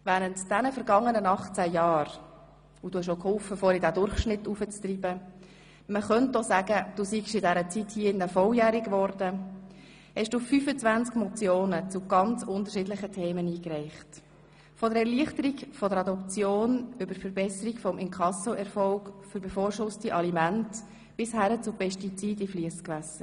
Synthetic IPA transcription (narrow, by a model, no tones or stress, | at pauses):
væːɾəntd̥ænəfəɾɡɑŋːənənɑχt͡sæjɑːɾ | ud̥uːhɛæʃokʰhʊlfəfɔːɾidædʊɾχʃnɪtːufət͡st̪riːbə | məχœntːɔsæːɡ̥əd̥uːsiɡʃɪdæɾət͡sithiːəɪndəfɔljæːɾikʋɔɾd̥ə | hɛʃd̥uːfyːfət͡sʋænt͡skmɔt͡sjoːnət͡sʊɡ̥ɑnt͡sʊntəɾʃɪːdlɪχətʰeːməniːkrɛɪχt | fɔdəɾɛɾliəχtəɾiɡfɔdəɾɑd̪ɔpt͡sjoːnʏbəɾfəɾbɛsəɾiɡfɔmʔɪŋkʰɑsɔʔɛɾfɔʊkføɾbefoːɾʃʊstiʔɑlimænt | b̥ɪshæɾət͡sʊpɛʃtit͡siːdifliəskʋæsə